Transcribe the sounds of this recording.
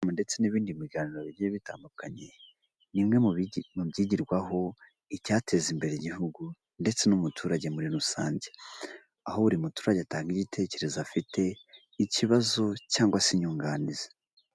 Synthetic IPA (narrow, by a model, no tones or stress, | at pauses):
mnde̞t͡se̞niβiːndimiɡaːniɾoβiijeβita̰ːndukaɲe̞ | nimŋe̞mubɟiɟiɾɡwaɦo̞ | icaːtʰe̞zimbe̞ɾeiɟiɦuɡu | nde̞t͡se̞numutʰuːɾaɟe̞muɾiɾusaːɲɟe | aho̞βuɾimutu̥ːɾaɟataːŋɡiɟitʰe̞ce̞ɾe̞zafite̞ | iciβazo̞caːŋɡwasiɲuːŋɡaːnize̥